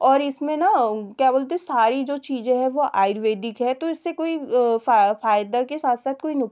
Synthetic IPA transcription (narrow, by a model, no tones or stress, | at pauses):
ɔːɾɪsmẽnakjaːboːlt̪̬esaːɾid͡ʒoːt͡ʃiːzẽɦɛ̃ʋoʔa̰ːɪɾʋeːd̪ɪkɦɛt̪oɪsːekoːi | faːjd̪akesaːt̪ʰsaːt̪̚koːinʊk